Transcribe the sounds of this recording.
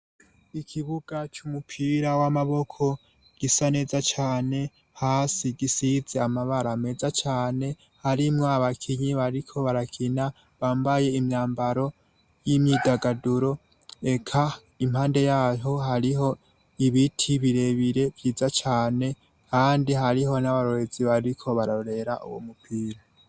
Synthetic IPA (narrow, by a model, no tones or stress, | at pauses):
ikʰiβuɡ̥at͡ʃumupʰiːɾawamaβo̞kʰo̞ | ɡ̥isane̞ːzat͡ʃaːne̞ | haːsiɡisize̞amaβaɾame̞ːzat͡ʃaːne̞ | haɾimŋoaβakʰiɲiβaɾikʰo̞βaɾakʰina | βaːmbaje̞imɲaːmbaɾo̞ | jimɲiːdaɡaduɾo̞ | e̞kʰa | im̥haːnde̞jaːɦo̞ɦaɾiɦo̞ | iβitʰiβiɾe̞βiɾe̞vjiːzat͡ʃaːne̞ | kʰaːndiɦaɾiɦo̞naβaɾoɾeziβaɾikʰo̞βaɾaɾe̞ɾaʔṵwo̰mupʰiɾa